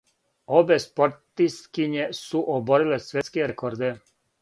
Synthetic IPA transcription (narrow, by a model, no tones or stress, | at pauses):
obespo̞ɾt̪ist̪kiɲesuʔoboɾilesʋʲjeskeɾekoɾd̪e